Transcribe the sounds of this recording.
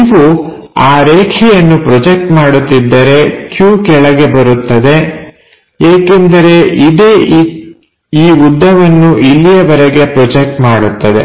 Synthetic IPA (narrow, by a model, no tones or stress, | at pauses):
ʋu | aːɾeːkʰɛjɐnːupɾɔd͡ʒek̚ʈmaːɽut̪ːid̪ːɐɾe̞kjuːkɛɭɐɡe̞bɐɾut̪ːɐd̪e̞ | eːkend̪ɐɾe̞ʔid̪eː | iːud̪ʱːɐʋɐnːuʔilːijɐʋɐɾeɡe̞pɾɔd͡ʒek̚ʈmaːɽut̪ːɐd̪e̞̰